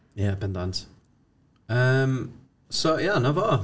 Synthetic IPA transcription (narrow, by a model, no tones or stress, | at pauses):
jabɛ̃ndãnt | əm | sojanovɔ